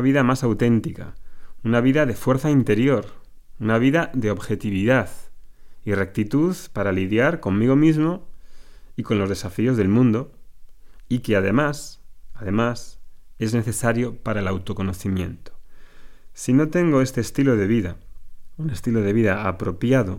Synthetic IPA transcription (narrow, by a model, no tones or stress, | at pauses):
βiðamasawt̪e̞nt̪ika̰unaβ̞iðaðe̞fwe̞ɾθaint̪e̞ɾjo̞ɾ | unaβ̞iðaðe̞o̞βxe̞t̪iβ̞iðað | ire̞k̚t̪it̪uðpaɾaliðjaɾko̞mmiɣ̞o̞mizmo̞ | iko̞nlo̞zð̞e̞safio̞zðe̞lmũnd̪o̞ | ikeaðe̞masaðe̞mase̞zne̞θe̞saɾjo̞paɾaelawt̪o̞ko̞no̞θimjḛ̃nt̪o | sino̞t̪e̞ŋɡoe̞st̪eːst̪ilo̞ðe̞β̞iðaune̞st̪ilo̞ðe̞βiðaːpɾo̞pjaðo̞